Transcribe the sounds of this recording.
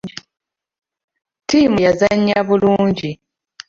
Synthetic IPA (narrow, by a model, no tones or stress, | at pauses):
tiːmujazaɲːaβuluːɲɟi